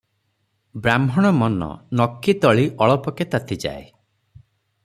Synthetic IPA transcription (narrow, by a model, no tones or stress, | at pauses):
bɾamʱɔɽ̃ɔmɔnɔ̰nɔkːit̪ɔɭiʔɔɭɔpɔket̪at̪ʰid͡ʒa̰e